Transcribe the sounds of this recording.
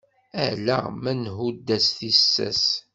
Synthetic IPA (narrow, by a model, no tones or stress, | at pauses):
æ̰læ̰mænɦud̪ːæsθisːæ̰s